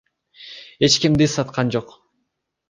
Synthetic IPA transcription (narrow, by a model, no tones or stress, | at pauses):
e̞t͡ʃkimd̪isɑt̪qɑnd͡ʒoq